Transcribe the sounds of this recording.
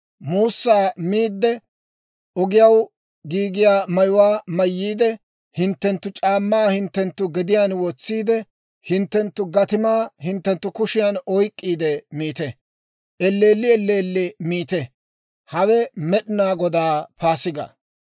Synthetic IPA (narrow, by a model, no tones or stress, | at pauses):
muːsːaːmiːd̪ːɛ | ɔɡɪjɐw | ɡiːɡɪjaːmɐjʊwaːmɐjːiːd̪ɛ | hɪnt̪ːɛnt̪ːʊt͡ʃʼaːmːaːhɪnt̪ːɛnt̪ːʊɡɛd̪ɪjaːnwɔt͡sːiːd̪ɛ | hɪnt̪ːɛnt̪ːʊɡɐt̪ɪmaːhɪnt̪ːɛnt̪ːʊkʊʃɪjaːnɔjkʼːiːd̪ɛmiːt̪ɛ | ɛlːeːlːɪɛlːeːlːɪmiːt̪ɛ | hɐwɛmɛɗɪnaːɡɔd̪aːpaːsɪɡɐ̰